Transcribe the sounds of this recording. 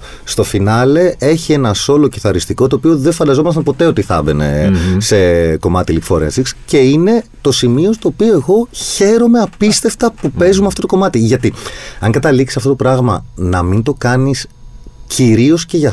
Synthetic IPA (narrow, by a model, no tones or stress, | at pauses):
st̪o̞finɐle̞e̞çie̞nɐso̞lo̞ciθɐɾist̪iko̞t̪oːpioðe̞ɱfɐnd̪ɐzo̞mɐst̪ɐnpo̞t̪e̞o̞t̪iθɐ̰vḛne̞̰se̞ko̞mɐt̪ilipfo̰ɾensiksce̞ine̞t̪o̞simio̞st̪oːpio̞eɣo̞çe̞ɾo̞me̞ɐpist̪e̞ft̪ɐpupe̞zumeɐft̪ot̪oko̞mɐt̪iʝɐt̪iɐŋɡɐt̪ɐliksi̥sɐft̪ot̪o̞pɾɐɣmɐnɐmint̪o̞kɐnis | ciɾio̞sce̞ʝɐ